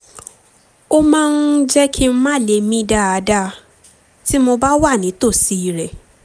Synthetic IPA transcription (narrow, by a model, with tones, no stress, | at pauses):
o˦mãː˦n̩˦d͡ʒɛ˦kʰi˦m̩˦mã˦˨le˧˨mĩ˦da˦a˨˦da˧ | ti˦mo˧ba˦wa˦˨nĩ˨˦to˦˨si˨˦i˨ɾɛ˨